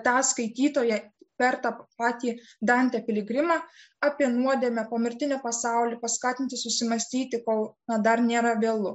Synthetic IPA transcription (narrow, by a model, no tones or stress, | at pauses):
t̪ɑːskɐɪt̪ʲiːt̪oːjɛpʲɛɾt̪ɑpɑːt̪ʲiːd̪ɐnʲt̪ʲɛpʲɪlʲɪɡɾʲɪmɑː | ɑpʲiɛnuɔd̪ʲeːmʲɛpoːmʲɪɾʲt̪ʲɪnʲɛpɐsɑʊlʲiːpɐskɑːt̪ʲɪnʲt̪ʲɪsʊsʲɪmɐsʲt̪ʲiːt̪ʲɪkoːlˠnɐd̪ɐɾnʲeːɾɐʋʲeːlˠʊ